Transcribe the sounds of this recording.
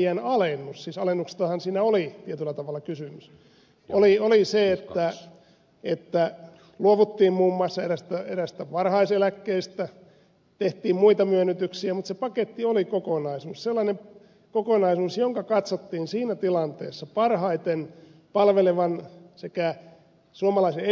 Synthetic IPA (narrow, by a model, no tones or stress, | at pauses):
ænɑlenːussiːsɑlenːukse̥t̪ɑhɑnsiːnæolit̪iet̪ylːæt̪ɑʋɑlːˑɑkysymys | olioliseet̪ːæ | et̪ːæ | luoʋut̪ːiːmmuːmːɑːˑsːɑeɾæst̪æeɾæst̪æʋɑrhɑiselækːeist̪æ | t̪eht̪iːmmuit̪ɑmyønːyt̪yksiæmut̪sepɑket̪ːiolikokonɑisuːsselːɑnem | kokonɑisuːsjoŋkɑkɑt̪sot̪ːiːnsiːnæt̪ilɑnt̪ḛːsːɑpɑrhɑit̪enpɑlʋeleʋɑnsekæ | suomɑlɑise